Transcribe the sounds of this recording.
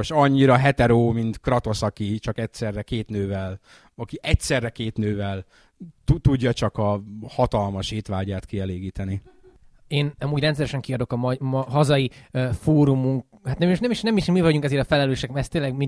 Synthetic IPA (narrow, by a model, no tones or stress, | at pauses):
ʃɒɲːiɾɒɦɛt̪ɛɾoːmint̪krɒt̪o̞sɒkit͡ʃɒkɛcsɛrːɛkeːt̪nøːvɛl | ɒkiʔɛcsɛrːɛkeːt̪nøːvɛl | t̪ut̪uɟːɒt͡ʃɒkɒhɒt̪ɒlmɒʃeːt̪ʋaːɟaːt̪kiɛleːɡiːt̪ɛni | eːnɒmuːɟrɛnt̪sɛɾɛʃɛŋkiɒd̪o̞kɒmɒmɒɦɒzɒjifoːɾumuŋk | hat̪nɛmʃnɛmiʃnɛmiʃmivɒɟuŋkɛzeːɾɒfɛlɛløːʃɛkɛst̪ːeːnlɛɡmi